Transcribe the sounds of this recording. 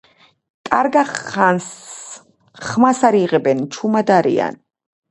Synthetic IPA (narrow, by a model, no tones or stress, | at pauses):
kʼaɾɡaans | χmasaɾiʁɛbɛnt͡ʃʰumad̪aɾḭa̰n